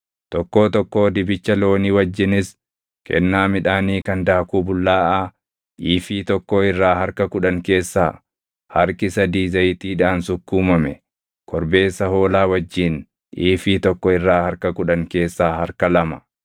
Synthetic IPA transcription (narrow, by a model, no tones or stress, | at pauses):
t̪ɔkːo̞ːt̪ɔkːo̞ːd̪ɪbɪt͡ʃːɐlo̞ːniwɐd͡ʒːɪnɪs | kɛ̰nːaːmɪᶑaːniːkɐnd̪aːkuːbʊlːaːʔaː | ʔiːfiːt̪ɔkːoːɪrːaːhɐɾkɐkʊᶑɐŋke̞ːsːaː | hɐɾkɪsɐd̪iːzɐjt̪iːᶑaːnsʊkːuːmɐmɛ | kʰɔɾbe̞ːsːɐho̞ːlaːwɐd͡ʒːiːn | ʔiːfiːt̪ɔkːɔɪrːaːhɐɾkɐkʊᶑɐŋke̞ːsːaːhɐɾkɐlɐmɐ